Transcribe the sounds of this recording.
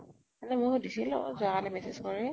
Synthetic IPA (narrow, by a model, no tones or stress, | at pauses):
ɛnɛmʊɹdisilʊ̰̃zaalɛmɛsezkɔɹɛ